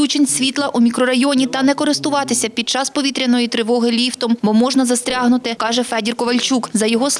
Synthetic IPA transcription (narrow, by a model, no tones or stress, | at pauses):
ut͡ʃenʲsʲʋʲit̪lˠɐʔumʲikɾɔɾɐjɔnʲit̪ɐnɛkɔɾɪst̪ʊʋɑt̪ɪsʲɐpʲid̪̚t͡ʃɑspɔʋʲit̪ɾʲɐnɔjit̪ɾɪʋɔɦɪlʲiwt̪ɔmbɔmɔʒnɐzɐst̪ɾʲɑɦnʊt̪ɪkɑʒɛfɛdʲirkɔʋɐlʲt͡ʃukzɐjɔɦɔs